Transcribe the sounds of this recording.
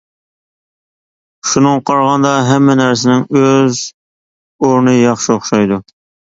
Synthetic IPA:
ʃunɨŋqʰɑɾʁɑnd̪ɑɦɛmːɛnæɾs̬ɪnɪŋøz | oɾnɨjɑχʃioχʃɑjd̪u

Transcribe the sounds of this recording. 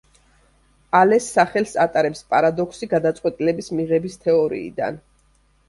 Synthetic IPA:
alɛsːaχɛlsat̪ʼaɾɛpspʼaɾad̪ɔkʰsiɡad̪at̪sʼqʼwɛt̪ʼilɛbismiʁɛbist̪ʰɛɔɾḭːd̪a̰n

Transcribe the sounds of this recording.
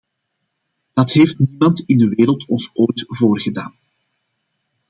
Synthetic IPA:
d̥ɑtɦeːftnimɑntɪndəʋeːɾəlˠtɔnsoːjtvoːrɣəda̰ːn

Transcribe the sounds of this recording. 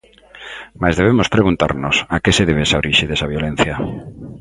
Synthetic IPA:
mazðeβemospɾeɣunt̪a̰ɾnosakeseðeβ̞esaoɾiʃeðesaβjolẽn̟θja

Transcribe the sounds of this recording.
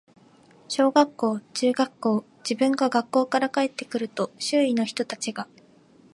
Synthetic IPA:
ɕo̞ːɡakːo̞ːt͡ɕɨːɡakːo̞ː | d͡ʑibɯ̟̃ŋɡaɡakːo̞ːkaɾakae̞t̪ːe̞kɯ̟ɾɯ̟t̪o̞ɕɨːino̞çi̥t̪o̞t̪at͡ɕiɡa

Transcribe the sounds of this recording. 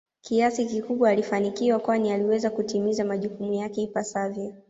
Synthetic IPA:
kiasikikuɓwaːlifanikiwakwanialiwɛzakutimizamaʄukumujakɛipasavjɔ

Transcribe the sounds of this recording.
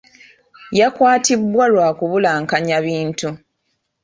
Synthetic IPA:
jakwaːtibwalwaːkuβulaːŋkaɲaβiːntu

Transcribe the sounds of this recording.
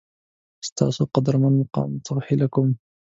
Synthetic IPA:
ʔɪst̪ɑ̰ʕsuqɑd̪ɾˤmanmɑqɑ̰ːmt̪ɑɣħɪlakʊm

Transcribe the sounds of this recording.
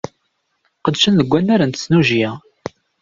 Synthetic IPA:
qəd̪ʃənðəɡʷːænːæɾænt̪əsnuʒiæ

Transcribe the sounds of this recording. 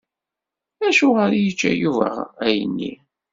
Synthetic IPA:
æʃʊʁəɾjət͡ʃːæjuvæ̰ʁæjənːḭ

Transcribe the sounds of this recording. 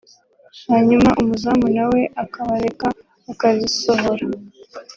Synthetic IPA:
haɲumaʔumuzamunawe̞ʔakaβaɾe̞kaː | kazisoɦoɾa

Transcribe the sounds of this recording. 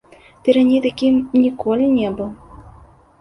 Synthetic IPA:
t̪ɨɾanʲejt̪akʲimnʲikɔlʲinʲɛbɨw

